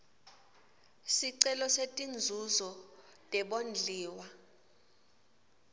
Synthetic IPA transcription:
siǀɛlɔsetʼind͡zʱuzɔ | tʼɛɓond͡ɮʱiːwa

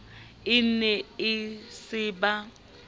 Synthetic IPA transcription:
ɪn̩nɛɪsɪːba

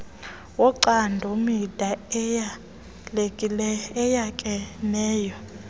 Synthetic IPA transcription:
wɔǃandʱɔmid̥ʱaja | lekʼilɛɛjakʼɛnɛːjɔ

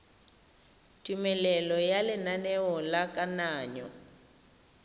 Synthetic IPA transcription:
tʼimɛlɛlɔjalɪnanɛwɔlakʼanaːɲɔ̰

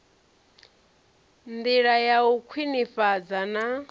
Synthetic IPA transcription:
nd̪iɺajaukʰwinifad͡zana

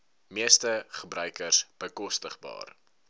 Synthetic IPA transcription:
miəstəχəbrœɥkərsb̥əkɔstəχbɑ̰ːr

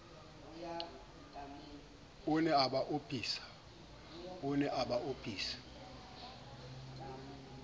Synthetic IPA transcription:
ʊnɛaɓaʔopʰʼiːsḁ | ʊnɛʔaɓaʔopʰiːsḁ

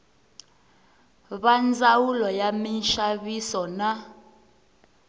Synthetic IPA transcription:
βand͡zawulɔjaminʃaβisɔna

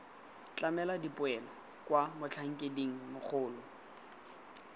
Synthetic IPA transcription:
t͡ɬʼamɛladipʼʊɛlɔ | kwamʊt͡ɬʰaŋ̩kʼediŋ̩mʊk͡xʰʊːlʊ

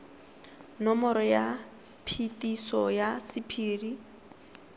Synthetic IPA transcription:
nɔmɔɾɔja | pʰitʼisɔjasipʰiːri

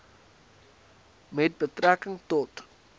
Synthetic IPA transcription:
mɛt̚bətrækəŋtɔt

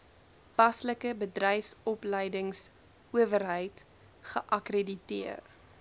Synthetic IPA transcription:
pɐsləkəbədrɛjfsɔpləjdəŋs | uəvərɦəjt | χəʔɐkreditiər

